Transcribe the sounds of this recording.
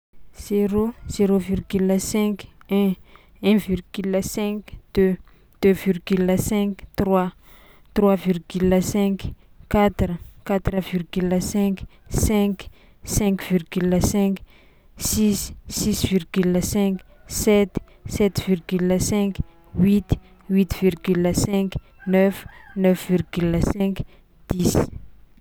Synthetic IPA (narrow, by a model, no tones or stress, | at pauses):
z̥eɾoz̥eɾovirɡyləsɛ̃kɛ̃ | ɛ̃virɡyləsɛ̃kd̪̥ø | d̪̥øvirɡyləsɛ̃kt̪rwa | t̪rwavirɡyləsɛ̃k | kːat̪rəkat̪ɾəvirɡyləsɛ̃ksɛ̃k | sɛ̃ŋkv̥irɡyləsɛ̃k | sissisvirɡyləsɛ̃ksɛt̪ | sɛt̪virɡyləsɛ̃k | wit̪ | wit̪v̥irɡyləsɛ̃ŋk | nœfnœfvirɡyləsɛ̃k | d̪̥is